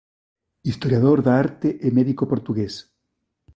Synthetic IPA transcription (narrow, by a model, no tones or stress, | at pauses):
ist̪oɾjaðoɾðaaɾt̪eʔemeðikopoɾt̪uɣes